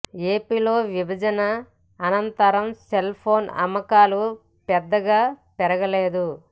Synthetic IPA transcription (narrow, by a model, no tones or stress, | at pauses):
eːpiːlo̞ːʋibʱɐd͡ʒɐnɐː | nɐnt̪ɐɾɐmselpʰo̞ːnɐ̰mɐkaːlu | pɛd̪ːɐɡaːpɛɾɐɡɐleːd̪u